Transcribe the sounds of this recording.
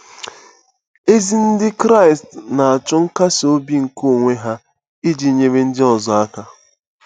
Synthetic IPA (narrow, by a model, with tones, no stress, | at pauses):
e˦zi˦n̩˦dɪ˦kɾa˦ɪ˨stna˨a˨t͡ʃʊ˦ŋ̩˦ka˦so˦bi˦ŋ̩˨ko˦˨ŋʷe˦ɦa˦ | i˦d͡ʒi˨˦ɲe˦ɾe˦n̩˦dɪ˦ɔ˨zɔ˨a˦ka˦